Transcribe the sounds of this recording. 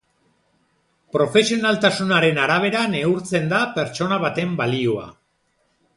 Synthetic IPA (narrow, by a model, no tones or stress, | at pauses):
pɾo̞fe̞sio̞nalt̪asunaɾe̞naɾaβ̞e̞ɾane̞uɾt͡se̞nd̪ape̞ɾt͡so̞naβ̞at̪e̞mbalioa̰